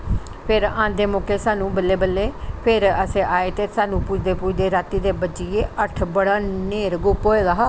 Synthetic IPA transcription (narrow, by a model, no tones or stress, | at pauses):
pʰɪɾãːnd̪eːmoːkeːsaːnũːbəlːeːbəlːeːpʰɪɾəsẽːʔaːeːt̪eːsaːnũːpʊt͡ʃʰd̪eːpʊt͡ʃʰd̪eːɾaːt̪iːd̪eːbəd͡ʒieːʔəʈʰbəɽaːneːɾɡʊpoːeːɡaːɦaː